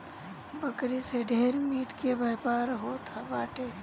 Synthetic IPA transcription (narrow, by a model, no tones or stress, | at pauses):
bəkɾiseɖʱeːɾmiːʈkebajpaːɾɦot̪ʰabaːʈe